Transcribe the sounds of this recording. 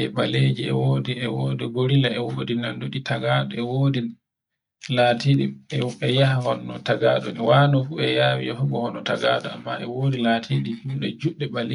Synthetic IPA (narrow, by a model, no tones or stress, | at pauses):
ɛɓaled͡ʒiɛ̰woːdiɛwodɛɡoɾilaɛwoːdinandoɗitaɡaːɗɔɛwoːdi | latʰiɗimɛɛjahahɔnːɔtaɡaɗɔnɛwanɔfuɛjaːwiɔhuɡɔhɔnɔtaɡaːɗɔa̰mːaɛwoːdilaːtʰiɗihimɗɛd͡ʒuɗːɛɓale